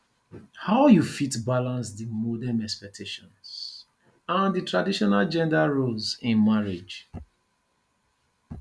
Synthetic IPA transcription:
haʊjufitbalãnsdimɔdãnɛkspɛk̚tʰeʃɔ̃ns | ãnditʰɹadiʃɔnald͡ʒɛ̃ndaɹolzɪ̃nmaɹid͡ʒ

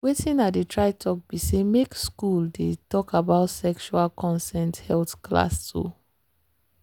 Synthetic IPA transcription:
wetʰĩnatdetɹaɪtʰɔk̚b̥isemekskuldetɔkabaʊtsɛkʃualkʰɔ̃nsɛ̃nthɛltkla̰stʰṵ

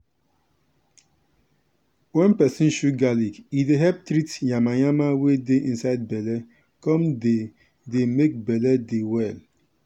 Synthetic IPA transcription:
wɛ̃npɛsɪ̃n̩ʃuɡalikideɦɛp̚tɾitjamajamawedeĩn̩saɪd̚bɛlɛ | kɔ̃mde | demek̚bɛlɛdewɛl

